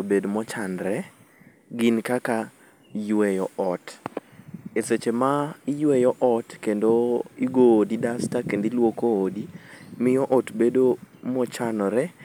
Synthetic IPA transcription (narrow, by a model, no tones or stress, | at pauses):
obedmɔt͡ʃanɾɛ | ɡinkaka | jwɛjɔɔt | eset͡ʃemaɪjwɛjɔʔɔtkendoiɡoːdidastakendilwokoːdimɪjɔʔɔtbedomɔt͡ʃanɔɾɛ